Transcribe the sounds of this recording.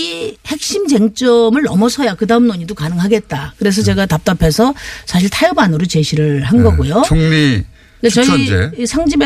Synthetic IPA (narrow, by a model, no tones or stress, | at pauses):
ihe̞k̚ɕ͈imd͡ʑe̞ŋt͡ɕ͈ʌmɯɭnʌmʌsʰʌjakɯdaɯmnoɲidokanɯŋɦaɡe̞t̚t͈akɯɾe̞s̬ʰʌt͡ɕe̞ɡatap̚t͈apʰe̞sʰʌsʰaɕ̬ʰiɭtʰajɯbanɯɾot͡ɕe̞ɕʰiɾɯɭhanɡʌɡujoʌŋmi | kat͡ɕʌd͡ʑesʰaŋd͡ʑibe